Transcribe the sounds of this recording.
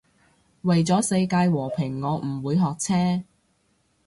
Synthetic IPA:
wɐ˨jt͡sɔː˨˥se˧jkaː˧jwɔː˨˩pʰɪ˨˩ŋːɔː˨˧m̩˨˩wuː˨˧jɦɔː˨k̚t͡sʰɛː˥

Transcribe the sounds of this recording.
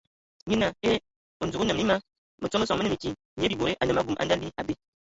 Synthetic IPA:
ɲi˦na˨ke˦ | o˨n̩˨zu˨ku˦nə˨m˨ni˦ma˦ | mə˨t͡so˦mə˦sɔ˨mə˦nɨ˦˨i˨ki˦˨ɲ˨˦bi˨bo˨ɾe˦ʔa˨nɨ˨ma˦ɡu˨mʔa̰˨n˦da˦li˦a˨be˦

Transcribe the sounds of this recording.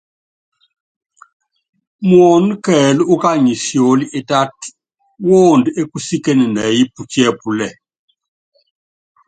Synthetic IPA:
mwo˨n˦kɛ˨lu˦u˦ka˦ɲi˨sjo˨li˦ʔe˦ta˦t | wo˦˨nde˦ku˦si˦ke˦ni˨nɛ˨ji˦pu˨t͡ʃɛ˦pu˨lɛ˨

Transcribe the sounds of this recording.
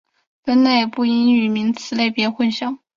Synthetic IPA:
fə˥nna˥˩ɪ˨˩pu˥˩i˥ny˨˩mi˧˥ŋt͡sʰɹ̩˧˥le˥˩ɪpjɛ˧˥xwə˥˧nɕjɑ˥˩ŋ

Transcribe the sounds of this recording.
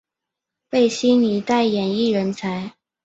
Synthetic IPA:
pe˥˩ɪɕi˥ni˨˥t̪a˥˩ɪjɛ˨˩ni˥˩ɻə˧˥nt͡sʰa˧˥ɪ

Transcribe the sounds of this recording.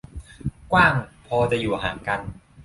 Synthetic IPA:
kwaː˥˩ŋpʰɔː˧t͡ɕa˨˩juː˨˩a˧˩ɦa̰ː˩˦ŋka˧n

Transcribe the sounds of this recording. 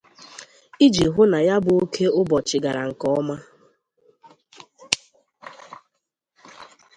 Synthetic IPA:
i˦d͡ʒi˨ɦʊ˦na˨ja˦bʊ˨o˦kʰe˦ʊ˦bɔ˨t͡ʃɪ˨ɡa˨ɾa˨ŋ̩˨kɔ˦ɔ˦ma˦

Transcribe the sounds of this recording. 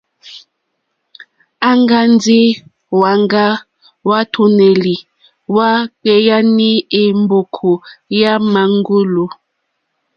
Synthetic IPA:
a˦ŋɡa˦ndi˦ | wa˨ŋɡa˦ | wa˦tʰu˨ne˨li˨ | wa˦k͡pɛ˨ja˦ni˦e˨mbo˨kʰu˨ja˦ma˨ŋɡu˦lu˨

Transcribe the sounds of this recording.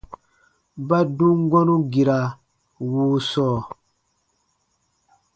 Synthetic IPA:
ba˦dũ˦ŋ˦ɡɔ˦nũ˦ɡi˨ɾa˨ | wuː˨˦sɔː˦˨

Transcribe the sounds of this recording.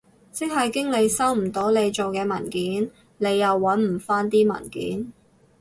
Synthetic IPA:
t͡sɪ˥k̚ɦɐ˨jkɪ˥ŋle˨˧jsɐ˥wm̩˨˩t̪o˧˥wle˨˧jt͡ʃo˨wkɛː˧mɐ̰˨˩nkiː˨˥n | ne˨˧jːɐ˨wːɐ˨˥nm̩˨˩faː˥nt̪iː˥mɐ̰˨˩nkḭː˨˥n

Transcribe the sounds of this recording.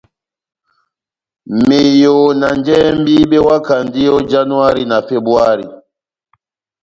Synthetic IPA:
me˨jo˨na˨nd͡ʒɛ˦mbi˦ɓɛ˦wa˦ka˨ndi˦jo˦d͡ʒa˦nu˦a˦ɾi˦na˨fe˦bu˦a˦ɾi˨

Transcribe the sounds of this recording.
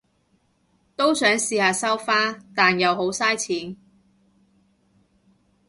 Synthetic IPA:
t̪o˥wsœː˨˥ŋsiː˨˧haː˨˧sɐ˥wfaː˥t̪aː˨njɐ˨˧wɦo˨˥wsaː˥jt͡sʰiː˨˥n

